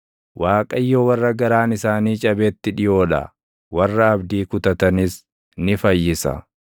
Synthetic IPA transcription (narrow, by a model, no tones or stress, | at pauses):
wʔaːkʼɐjːoːwɐrːɐɡɐɾaːnɪsaːniːt͡ʃʼɐbeːt̪ːɪᶑɪjo̞ːᶑɐ̰ | wɐrːɐːbd̪iːkʊt̪ɐt̪ɐnɪs | nɪfɐjːɪsɐ̰